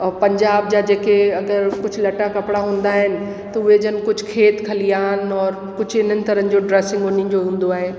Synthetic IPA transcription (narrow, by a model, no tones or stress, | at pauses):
pɐ̃ɲd͡ʑaːb̚d͡ʑad͡ʑeːkeɐɡəɾkʊd͡ʑʱlɐʈakɐpɽaɦũːn̆d̪aːɦɪnɪ̆ | t̪ɐʊɦed͡ʑənɪ̆kʊd͡ʑʱkʰeːt̪kʰɐliaːɦɪnɔːɾ | kʊd͡ʑʱɪn̤ənɪ̆t̪ɐɾə̃nɪ̆d͡ʑoɖɾɛːsɪ̃ŋɡoːnĩd͡ʑoɦũːn̆d̪oaːɦeː